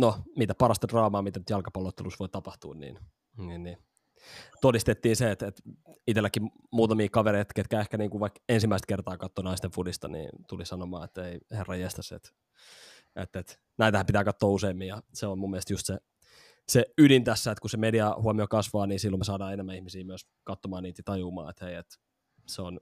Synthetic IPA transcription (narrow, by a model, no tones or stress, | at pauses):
nomit̪æpɑɾɑst̪ɑdrɑːmɑːmit̪ænyt̪jɑlkɑpɑlːot̪ːelusʋoit̪ɑpɑht̪uːnnḭːn | ninni | t̪odist̪et̪ːiːnseːt̪et̪it̪elːækːi | muːt̪ɑmiːkɑʋeɾeit̪ket̪kæehkæniːŋkuʋʋɑikensimːæist̪̚kert̪ɑːkɑt̪ːoːnɑist̪efudist̪ɑ̰nḭːnt̪ulisɑnomɑ̰ːet̪ːeiherːɑjest̪æsḛt̪ | ʔḛt̪ːet̪ | næit̪æhæmpit̪æːkɑt̪ːoːuseimːiːjɑseommumːielest̪just̪se | seydint̪æsːæet̪kusemediɑhuɑmiokɑsʋɑːniːsilːomesɑːdɑːenemːæihmisiːmyøs | kɑt̪ːomɑːniːt̪jɑt̪ɑjuːmɑ̰ːet̪heiet̪ | seon